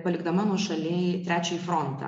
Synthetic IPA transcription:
pɐlʲɪɡd̪ɐmɐnuɔʃɐlʲeːjt̪ʲɾʲæːt͡ʃʲɛjifɾɔnt̪ɐ̰

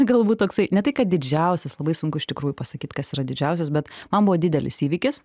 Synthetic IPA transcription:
ɡɐlˠbuːt̪̚toːksɐɪnʲɛt̪ɐɪkɐt̪̚d̪ʲɪd͡ʒʲɛʊsʲɛslˠɐbɐɪsʊŋkʊɪʃʲt̪ʲɪkɾuːjʊpɐsɐkʲiːt̪kɐsiːɾɐd̪ʲɪd͡ʒʲɛʊs̬ʲɛs̬bʲɛt̪mɐnbʊʋoːd̪ʲɪd̪ʲɛlʲɪ̰siːʋʲiːkʲɪs

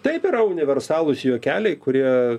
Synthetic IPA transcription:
t̪ɐɪpɪɾɐʊnʲɪʋʲɛɾsɑːlˠʊsjoːkʲæːlʲɛɪkʊɾʲiɛ

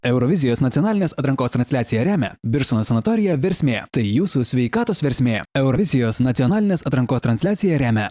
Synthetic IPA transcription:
ɛʊɾɔʋʲɪzʲɪjoːsnɐt̪ʲiɔnɑːlʲɪnʲeːsɐt̪ɾɐŋkoːst̪ɾɐnʲsʲlʲæːt̪sʲɪjɛɾʲæːmʲɛ̰bʲɪɾsunoːsʲɐnɐt̪ɔːɾʲɪjɛʋʲɛɾʲsʲmʲeːt̪ɐɪjuːsusʲʋʲɛɪkɑːt̪oːsʋʲɛɾʲsʲmʲeːɛʊɾɔʋʲɪzʲɪjoːsnɐt̪ʲɪɔnɑːlʲɪnʲeːsɐt̪ɾɐŋkoːst̪ɾɐnʲsʲlʲæːt̪sʲɪjɛɾʲæːmʲɛ

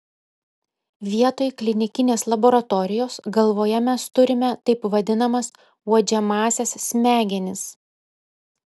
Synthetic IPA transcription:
ʋʲiɛt̪oːjklʲɪnʲɪkʲɪnʲeːslˠɐboːɾɐt̪ɔɾʲɪjoːsɡɐlˠʋoːjɛmʲɛst̪ʊɾʲɪmʲɛt̪ɐɪpʋɐd̪ʲɪnɐmɐs | uɔd͡ʒʲɛmɑːsʲɛssʲmʲæːɡʲɛnʲɪs

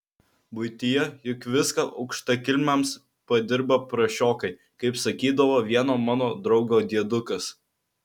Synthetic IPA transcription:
bʊɪt̪ʲɪjɛjʊkʋʲɪskɐʔɐʊkʃt̪ɐkʲɪlʲmʲɛms | pɐd̪ʲɪɾbɐpɾɐʃʲoːkɐɪ | kɐɪpsɐkʲiːd̪ɐʋoːʋʲiɛnoːmɑːnoːd̪ɾɒʊɡoːd̪ʲiɛd̪ʊkɐs

